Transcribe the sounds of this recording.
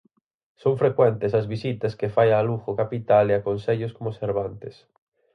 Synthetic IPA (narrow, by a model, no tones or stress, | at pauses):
sõɱfɾekwɛnt̪esɐzβisit̪ɐskefajaluxokapit̪aleakõnseʎoskomoseɾβant̪es